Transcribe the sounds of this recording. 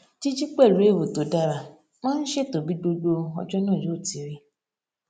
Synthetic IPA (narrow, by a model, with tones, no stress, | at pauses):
d͡ʒi˦d͡ʒi˦k͡pɛ˦˨lu˨˦e˦˨wo˨to˨da˧ɾa˨ | mãː˦n̩˦ʃe˦to˨bi˨˦do˧do˧ɔ̰˧d͡ʒɔ˦nãː˦˨jo˨˦˨ti˨˦ɾi˦